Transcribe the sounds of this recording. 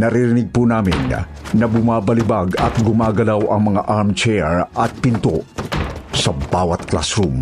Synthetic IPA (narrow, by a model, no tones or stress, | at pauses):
nɐɾɪɾɪnɪɡ̚punaːmɪ̰n | nɐbʊmaːbɐlɪbaɡɐ̰t̪̚ɡʊmaːɡɐlawʔɐŋmɐŋaʔaɹmt͡ʃɛɹɐt̪̚pɪnt̪o̰ | sɐbaːwɐt̪̚kla̰sɾum